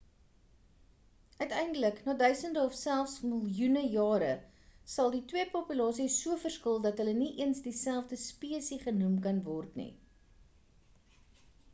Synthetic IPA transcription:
œɥtɛjndələknɑːdœɥsəndəɔfsælˠfsməlˠjunəjɑːɾə | sɐlˠditwiəpɔpylɑːsisuəfərskəlˠdɐtɦələniʔiənsdisælˠfdəspiəsiχənumkɐnvɔrtnḭ

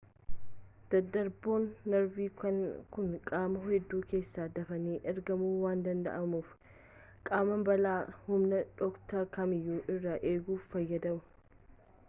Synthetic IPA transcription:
d̪̥ɐd̪ːɐɾboːnːɐɾbiːkɐnkʊnkʼaːmɐhɛd̪ːuːke̞ːsːaːd̪ɐfɐniːʔɛɾɡɐmuːwaːnd̪ɐnd̪ɐ̰ʔɐmuːf | kʼaːmɐmbɐlaːhʊmnɐᶑ̪ɔkt̪ɐkɐmɪjːuːʔɪrːaʔe̞ːɡuːfːɐjːɐd̪ɐmʊ̥

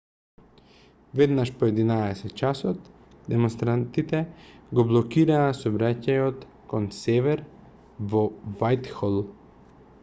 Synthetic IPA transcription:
vɛd̪naʃpoɛd̪inaɛsɛt̪̚t͡ʃasɔt̪ | d̪ɛmɔnst̪ɾant̪it̪ɛɡoblˠɔkiɾaːsɔbɾacajɔt̪ | konsɛvɛɾ | vɔvajt̪xɔlˠ

